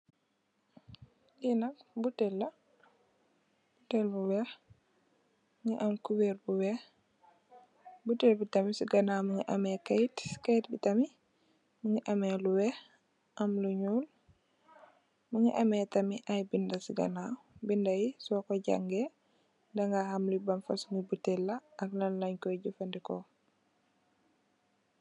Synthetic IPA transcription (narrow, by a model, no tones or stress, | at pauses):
ɡinakbutɛlːa | butɛlbuwɛ | mŋɡɛʔamkuwɛɾbuwɛ | butɛlbitamisiɡanamuŋɡɛʔamɛkajtkajtbitami | muŋɡɛʔamɛluwɛ | ʔamluɲuːl | muŋiʔamɛtɐmiʔajbindasiɡa̰nabindajisɔkɔɟa̰ŋɡɛ | ndaŋɡahamlibamfasŋibutɛlːaʔːknalːaɲkɔɟufandikɔ